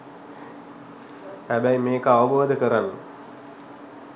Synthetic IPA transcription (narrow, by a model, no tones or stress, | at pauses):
hæbæjmeːkəaʋəboːd̪əkəɾanːə